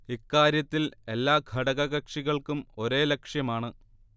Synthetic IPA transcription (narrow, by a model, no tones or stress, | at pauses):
ikːaːɾjɐt̪ːile̞lːaːɡʱɐɽɐɣɐɣɐkʂiɣɐɭkumo̞ɾe̞ːlekʂjɐmaːɳɨ